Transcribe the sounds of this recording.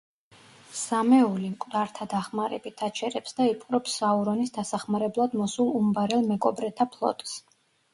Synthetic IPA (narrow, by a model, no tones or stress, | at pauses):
samɛulimkʼd̪aɾt̪ʰad̪aχmaɾɛ̰bit̪ʰat͡ʃʰɛɾɛpsd̪aipʼɾɔpsauɾɔnisd̪asaχmaɾɛblˠad̪mɔsulˠumbaɾɛlˠmɛkʼɔbɾɛt̪ʰapʰlˠɔ̰t̪ʼs